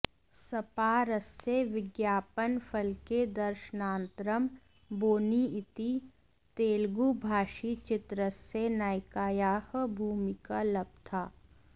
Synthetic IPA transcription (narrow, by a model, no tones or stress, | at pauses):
sɐpaːɾəsːeʋɪɡjaːpənfʰɐlked̪ɐɾʃənãːnt̪ɾəm | boːniɪt̪i | t̪eːlɡuːbʱaːʃit͡ʃɪt̪ɾəsenaːjkaːjaːhbʱuːmɪkalɐb̚t̪ʰaː